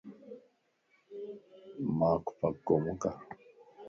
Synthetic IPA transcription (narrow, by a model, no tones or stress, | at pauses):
maku̥pakːomuka